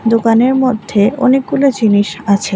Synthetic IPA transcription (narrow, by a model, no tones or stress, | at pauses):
d̪okaneɾmod̪ʱːeo̰nek̚ɡulod͡ʑiniʃat͡ɕʰe